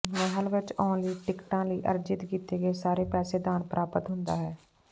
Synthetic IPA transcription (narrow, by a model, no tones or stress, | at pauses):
mɛɦəlʋɪt͡ʃɔːnliːʈɪkʈãːləiːʔə̰ɾd͡ʒɪt̪kiːt̪eːɡeːsaːɾeːpɛːseːd̪aːnpɾʔaːpət̪ɦʊnd̪a̰ːɦɛː